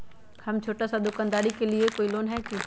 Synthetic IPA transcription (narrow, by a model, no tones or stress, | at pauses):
hɐmt͡ʃʰoːʈasad̪ʊkə̃nd̪aːɽikeliekoːiloːnɦɛkũː